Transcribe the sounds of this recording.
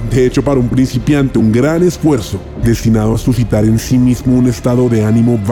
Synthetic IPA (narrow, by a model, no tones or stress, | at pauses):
d̪eet͡ʃo̞paɾaumpɾinsipjant̪euŋɡɾane̞sfwe̞ɾso | d̪e̞st̪inaðoasusit̪aɾensimizmoune̞st̪aðo̞ðe̞anĩmoβ